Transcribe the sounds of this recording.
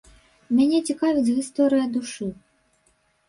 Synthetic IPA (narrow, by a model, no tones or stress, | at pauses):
mʲanʲɛt͡sʲikavʲid͡zʲɣʲist̪ɔɾɨjɐd̪uʂɨ